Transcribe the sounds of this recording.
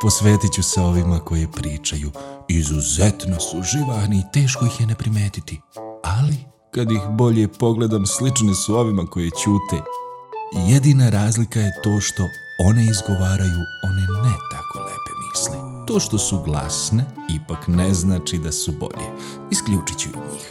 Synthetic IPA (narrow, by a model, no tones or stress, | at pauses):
po̞sʋe̞ːt̪it͡ɕuseo̞ʋimako̞jepɾiːt͡ʃajuizuzet̪no̞suʒiʋaxniːt̪e̞ːʃ̬koixjene̞pɾime̞ːt̪it̪iali | kad̪ixbo̞ʎepo̞ɡle̞d̪amslit͡ʃnesuo̞ʋimako̞jet͡ɕuːt̪e | jed̪iːnaɾaːzlikaje̞t̪o̞ːʃt̪o̞ | oniizɡo̞ʋaːɾajuo̞ninɛt̪ako̞̰nḛbemisle | t̪o̞ːʃt̪o̞suɡlˠa̰sne | ipakneznaːt͡ʃid̪asubo̞̰ʎḛ | iskʎuːt͡ʃit͡ɕɛ̰ɲḭːx